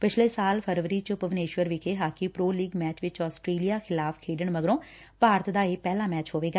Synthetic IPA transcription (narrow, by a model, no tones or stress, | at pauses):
pɪt͡ʃʰleːsaːlpʰəɾʋəɾiːt͡ʃʊpəʋɪneːʃʋəɾʋɪkʰeːɦaːkipɾoːliːɡmɛːt͡ʃʋɪt͡ʃɔːsʈɾeːlijaːxʰɪlaːfkʰeːɖəɳməɡɾõː | paːɾət̪d̪aːeːpɛːlaːmɛːt͡ʃɦoːʋeːɡaː